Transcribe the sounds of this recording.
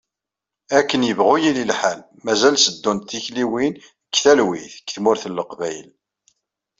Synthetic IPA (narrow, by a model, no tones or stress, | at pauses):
ækːənjəvʁʊjililħal | mæzælsəd̪ːunt̪ːiçliwin | kːθælwiθəkːθmʊɾθəlːəqvæjəl